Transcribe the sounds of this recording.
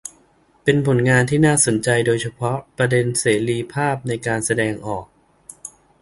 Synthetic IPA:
pe˧npʰo˩˦nŋaː˧nt̪ʰiː˥˩naː˥˩so˩˦nt͡ɕa˧jdoː˧jt͡ɕʰa˧pʰɔ˦˥pɾa˧de˧nseː˩˦ɾiː˧pʰaː˥˩p̚na˧jkaː˧nsa˧dɛː˧ŋʔɔː˨˩k̚

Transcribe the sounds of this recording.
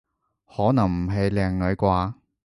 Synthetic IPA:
hɔː˨˥nɐ˨˩ŋm̩˨˩ɦe˨˧jlɛː˨˩ŋlɵ˨˧ɥkʷaː˧

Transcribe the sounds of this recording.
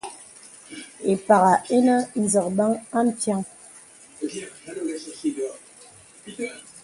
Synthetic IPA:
e˨pa˨ɣa˨e˦nə˦n̩˨zɔ˨kba˦ŋa˦m̩˨pja˦ŋ

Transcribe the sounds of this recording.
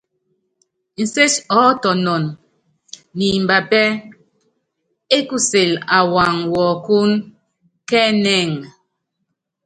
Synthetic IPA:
n̩˨se˦t͡ʃɔ˦tɔ˨nɔ˨nː | i˨m̩˨ba˨pɛ˦ | e˦ku˦se˨la˨wa˨ŋwɔː˨ku˦n | kɛ˦nɛ˦˨ŋ

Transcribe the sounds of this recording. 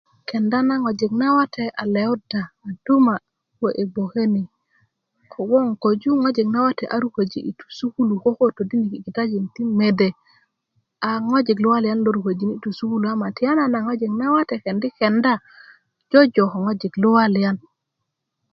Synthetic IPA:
kɛ˨nda˦na˦ŋo˨d͡ʒi˨kna˦wa˦tʰɛ˨ʔa̰˨le˨u˦daː˨d̥u˦ma˨˦ | ko˨ʔe˨bo˨ke˦ni˨ | kʰo˨wɔ˦ŋko˨d͡ʒu˦ŋo˦d͡ʒi˨kna˦wa˦tɛ˨ʔa̰˨˦ɾu˦ko˨d͡ʒḭ˦ʔḭ˨tu̥˨su˦ku˦lu˨ko˦ko˦to˨di˦ni˨ki˨ki˨ta˦d͡ʒi˨ŋti˦me˨de˨ | a˨ŋo˦d͡ʒi˨ɡlu˦wa˦lja˦nlo˦ɾu˨ko˨d͡ʒi˨ni˦tu˨su˦ku˦lu˨a˦ma˨tɪ˦a˦na˨na˨ŋo˦d͡ʒi˨kna˦wa˦tɛ˨ke˨ndi˦kɛ˨nda˦ | d͡ʒɔ˦d͡ʒo˨kɔ˨ŋo˦d͡ʒi˨klu˦wa˦lja˦n

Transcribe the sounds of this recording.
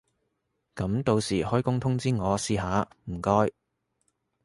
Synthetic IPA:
kɐ˨˧˥mt̪o˧wsiː˨˩hɔː˥jkʊ˥ŋt̪ʰʊ˥ŋt͡siː˥ŋɔː˨˧siː˧ɦaː˨˧m̩˨˩kɔː˥j

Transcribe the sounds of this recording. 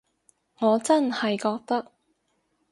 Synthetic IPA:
ŋɔː˨˧t͡sɐ˥nhɐ˨jkɔː˧k̚t̪ɐ˥k̚

